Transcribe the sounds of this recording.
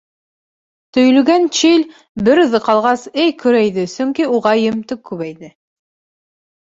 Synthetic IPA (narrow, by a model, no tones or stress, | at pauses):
t̪ɵ̆jlɵ̆ɡænt͡ʃil | bɘɾðɤqɑlˠʁɑsɘjkɵ̆ɾæjðɘsɵŋkiuʁɑjɘ̆mt̪ɘkːʉβæjðɘ